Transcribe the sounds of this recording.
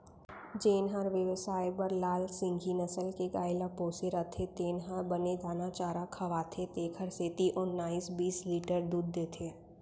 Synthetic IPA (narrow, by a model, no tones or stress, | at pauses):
d͡ʒeːnɦaɾʋjəʋsaːjpəɾlaːlsɪ̃ŋɡʱinəsəlkeɡaːɪlapoːseɾət̪ʰet̪eːnɦaɾbəned̪ʱaːnat͡ʃaːɾakʰɐʋaːt̪ʰet̪eːkʰəɾseːt̪iʔɔnːaːiːsbiːsliːʈəɾd̪uːd̪ːeːt̪ʰeː